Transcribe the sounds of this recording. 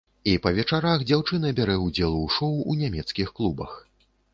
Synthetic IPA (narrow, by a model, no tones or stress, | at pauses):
ipɐvʲɛt͡ʂaɾaxd͡zʲawt͡ʂɨnɐbʲaɾɛud͡zʲɛlˠuuʂɔwunʲamʲɛt̪skʲixklˠubɐ̰x